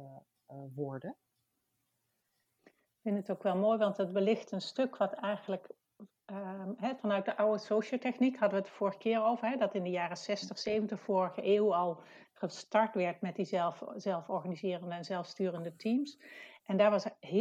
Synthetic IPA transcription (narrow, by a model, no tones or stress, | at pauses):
ʋɔɹdə | kfɪndətowkʋɛlˠmoːjʋɑntət̚bəlɪχtənstɵkʋɑtɛjχənlək | ɦɛvɑnœɥt̚dəʔɑwəsowʃəlˠtɛχnikɦɑdəʋətəv̥ʊːɹəχə̥kɪːɹowvəɹɦɛdɑtɪndəjaːrəsɛstəχsejvəntəχfʊːrəχəʔeːwɑlˠ | χəstɑɹtʋɛɹtmɛt̚dizɛlˠfzɛlˠfɔɹχanizɪːrəndəɛnzɛlˠfstyːrəndətimsʔɛndaːɹʋɑsɦ